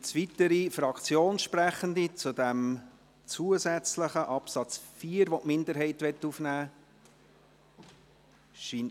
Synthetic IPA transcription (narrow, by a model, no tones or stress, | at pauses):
t͡sʋit̪əɾifɾɑkt͡sjoːnʃpɾæχənd̪it͡sud̪ɛm | t͡suːəzɛt͡sləχəʔɑpsɑt͡sfiːəɾʋɔtʔmɪnd̪əɾɦɛɪtʋɛtːufnæː | ʃin